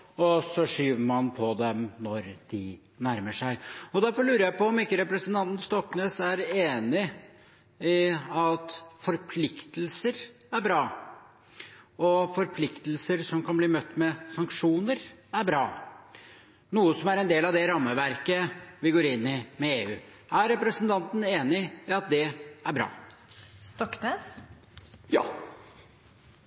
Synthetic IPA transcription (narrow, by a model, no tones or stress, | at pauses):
ɔsɔʂyːʋəɾmɑnpʰɔd̪ɛmnɔɾd̪̥ɪ | næɾməʂæɪɔd̪æɾfɔɭʉːɾəjæɪpɔɔmɪkːəɾɛpɾɛsənt̪ʰɑnt̪nst̪ɔkːnøːsæɾeːnɪ | ɪɑt̪fɔɾpʰlɪkt̪əlsəɾæɾbɾɑː | ɔfɔɾpʰlɪkt̪əlsəɾsɔmkʰɑnbliːmœt̪ːmɛsɑŋkʂuːnəɾæɾbɾɑː | nuːəsɔmæɾɛnd̪eːlɑʋd̪ɛɾɑmːəʋæɾkəʋɪɡoːɾɪnːɪmɛeːʉ̰ː | æɾɛpɾəsənt̪ʰɑnt̪n̩eːnɪɪɑt̪̚d̪ɛæɾbɾɑ̰ːst̪ɔkneːs | jɑ̰ː